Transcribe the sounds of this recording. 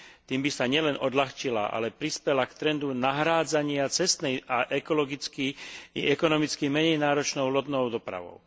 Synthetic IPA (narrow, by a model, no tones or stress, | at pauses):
t̪iːmbisaɲɪɛlɛnʔɔd̪laxt͡ʃila̰ʔa̰lɛpɾispɛlakt̪ɾɛnd̪unaɦɾaːd͡zaɲɪat͡sɛst̪nɛjaʔɛkɔlɔɡit͡skiḭɛkɔnɔmit͡skimɛɲɛjnaːɾɔt͡ʃnɔʊlɔd̪nɔʊd̪ɔpɾa̰ʋɔ̰ʊ